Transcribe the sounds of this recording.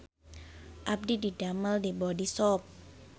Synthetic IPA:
ʔap̚dididaməldibɔdisɔp̚

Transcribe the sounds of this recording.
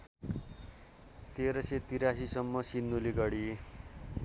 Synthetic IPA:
t̪eɾʌset̪iɾasisʌmːʌsinːuliɡʌɽi

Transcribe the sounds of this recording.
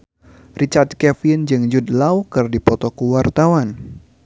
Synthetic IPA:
rit͡ʃart̪̚kɛfɪnd͡ʒɨŋd͡ʒudlawkɨrdipɔt̪ɔkuwart̪awan

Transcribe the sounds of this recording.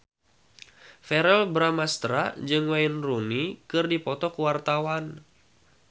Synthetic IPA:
fɛɾɛlbɾamast̪ɾad͡ʒɨŋwajnrunikɨrdipɔt̪ɔkuwart̪awan

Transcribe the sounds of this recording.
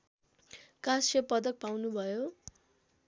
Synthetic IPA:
kasʌpʌd̪ʌk̚pawnubʱʌjo

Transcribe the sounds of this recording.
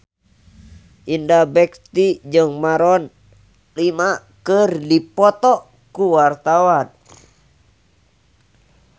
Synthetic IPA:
ʔindabɛkt̪id͡ʒɨŋmaɾɔn | lima | kərdipɔt̪ɔ | kuwart̪awan

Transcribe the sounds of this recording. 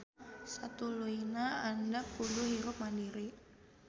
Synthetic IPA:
sat̪uluinaandapulʊɦiɾʊp̚madiɾi

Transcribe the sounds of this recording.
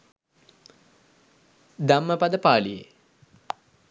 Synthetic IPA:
d̪amːəpad̪əpaːlijḛ

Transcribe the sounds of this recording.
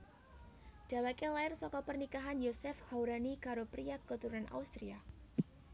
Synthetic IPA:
d̥a̤wakelaɪrsɔkɔpərnikaɦanjosɛfhawɾanikaɾopɾiakət̪uɾanʔa̰ust̪ɾia

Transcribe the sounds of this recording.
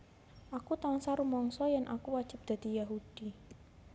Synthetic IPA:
ʔakut̪aŋsaɾumɔŋsɔjanʔa̰kuwḁd͡ʒ̥ɪp̚d̪̥a̤d̪̥ijaɦud̥i

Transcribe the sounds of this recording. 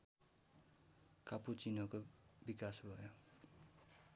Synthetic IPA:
kaput͡sinʌkobikasbʱʌjo

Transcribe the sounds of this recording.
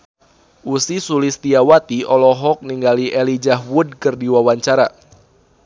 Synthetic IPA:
ʔusisulist̪iawat̪iɔlɔɦɔk̚niŋɡaliʔɛlid͡ʒaɦwud̚kɨrdiwawaɲt͡ʃaɾa

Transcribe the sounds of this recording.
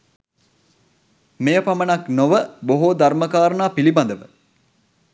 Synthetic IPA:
mejəpamənɐknoʋəboɦod̪aɾməkaːɾənaːpiliband̪əʋə

